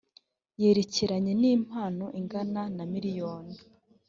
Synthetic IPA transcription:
je̞ːɾeciɾaɲe̞niːm̥haːnoʔiŋɡananamiɾijo̞ːni

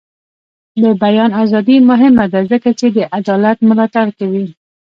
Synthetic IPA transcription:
d̪əbajɑnɑzɑd̪imʊɦɪmad̪azəkat͡ʃed̪əʔad̪ɑlat̪mʊlɑt̪aɽkawi

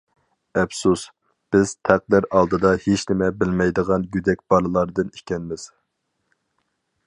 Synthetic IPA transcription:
ɛpsus | b̥ɪz̥t̪ʰæq̚d̪ɪɾɑlˠd̪ɨd̪ɑhet͡ʃnɪmɛbɪlmɛjd̪əʁɑnɡʲyd̪ɛk̚ʲb̥ɑlˠɨlˠɑɾd̪ɨnikʲɛnmɪz̥

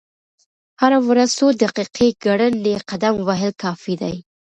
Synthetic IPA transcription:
haɾawɾaz̥od̪aqiqʰeɡaɽənːeqad̪amwaɦɪlkɑfid̪a̰j

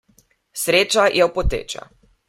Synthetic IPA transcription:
sɾeːt͡ʃajʔɛwpɔt̪ḛːt͡ʃa̰

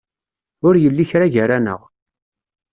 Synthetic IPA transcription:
ʊɾjəlːiçɾaʝəɾanə̰ʁ

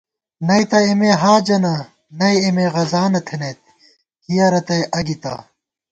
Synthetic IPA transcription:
nɐjt̪ɐimeːɦaːd͡ʑɐnɐ | nɐjːmeɣɐzaːnɐt̪ʰenet̪ | hijɐɾɐt̪ɐjʔɐɡit̪ɐ̰ː

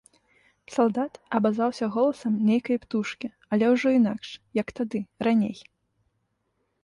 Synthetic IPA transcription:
salˠd̪at̪ɐbazawsʲɐɣɔlˠɐsɐmnʲejkɐjpt̪uʂkʲi | ɐlʲɛwʐɔinakʂjɐkt̪ad̪ɨranʲḛj

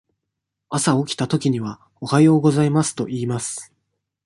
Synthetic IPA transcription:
asao̞kʲi̥t̪at̪o̞kʲiɲ̟iβa | o̞hajo̞ːɡo̞zaimasɨ̥t̪o̞ʔiːmasɨ̥

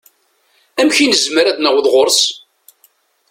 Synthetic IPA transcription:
æmçinəzməɾæðnæwðʁʊɾs

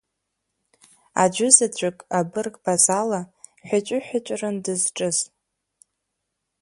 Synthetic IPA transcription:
a̰d͡ʒʷʊzat͡ɕʷʰʼʊkʼabɨrkʼbazalaħʷᶣat͡ʃʷʼʊħʷᶣat͡ʃʷʼrɨndɨzʈ͡ʂʼɨz

